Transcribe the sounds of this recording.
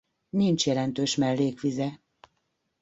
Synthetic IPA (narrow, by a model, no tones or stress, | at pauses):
nint͡ʃjɛlɛn̪t̪øːʃmɛlːeːkʋizɛ